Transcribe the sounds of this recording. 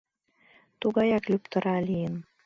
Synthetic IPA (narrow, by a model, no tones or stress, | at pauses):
t̪uɣɑjɑklʲypt̪ə̆ɾɑlijən